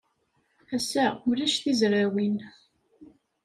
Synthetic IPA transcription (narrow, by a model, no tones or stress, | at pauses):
æsæmliʃθizɾawin